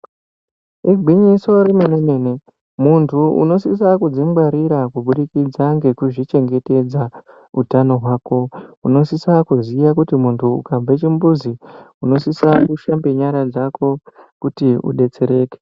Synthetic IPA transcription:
iɡʱwiɲiso̞ɾimeneneːne | muntʰuṵno̞sis̬akud͡zimɡ͡bwaɾiɾakuɓuɗikid͡zaŋɡe̞kuʐit͡ʃe̞ŋɡe̞te̞d͡za | utano̞ɦwaːko̞uno̞sisakuziʋakutimuntʰuṵkavet͡ʃimbuziuno̞sisakuʃambe̞ɲaɾad͡zakʰo̞kutiṵɗe̞t͡se̞ɾe̞ːke̥

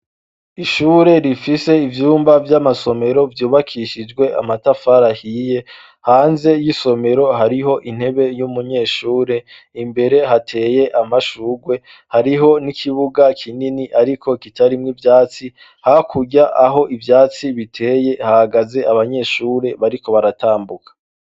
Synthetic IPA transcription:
iʃuːɾe̞ɾifise̞ivjuːmbavjamaso̞me̞ɾo̞vjuːβakʰiʃid͡ʒɡwe̞ʔa̰matafaɾahije̞ | haːnzejiso̞me̞ɾo̞ɦaɾiɦo̞ʔin̥he̞βe̞jumuɲe̞ːʃuːɾe̞ | imbe̞ɾe̞ɦatʰe̞ːje̞ʔamaʃuːɡwe̞ | haɾiɦo̞nikʰiβuɡakʰininiʔaɾikʰo̞kitaɾimŋivjaːt͡si | hakʰuɟaʔaɦo̞ʔivjaːt͡siβitʰe̞ːje̞hahaɡaze̞aβaɲe̞ʃuːɾe̞βaɾiko̞βaɾataːmbukḁ

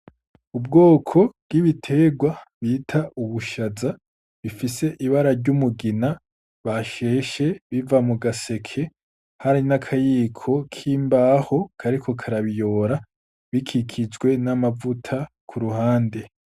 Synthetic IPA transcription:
ub̚ɡo̞ːkʰo̞b̚ɡiβitʰe̞ɡwaβiːtʰaʔuβuʃaza | βifise̞ʔiβaɾaɾɟumuɡina | βaʃe̞ʃe̞βivamuɡase̞kʰe̞ | haɾinakʰajiːkʰo̞kʰiːmbaːho̞kʰaɾikʰo̞kʰaɾaβijo̞ːɾa | βikʰikʰid͡ʒɡwe̞namavutʰa | kʰuɾuhaːnde̞

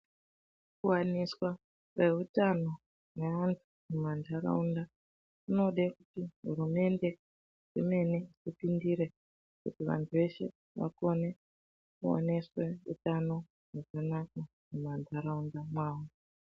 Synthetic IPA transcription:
kuwaniswa | re̞ɦutano̞ | neantʰumumandʱaɾa̰unda | uno̞ɗekutiɦṵɾume̞nde̞ | ʐime̞neipindiɾe̞ | kutiʋa̰ntʰuʋe̞ʃe̞̰ | ʋa̰ko̞ne̞ | kuo̰ne̞swe̞ṵtano̞ | ʐakanaka | mumandʱaɾaundamwaːwo

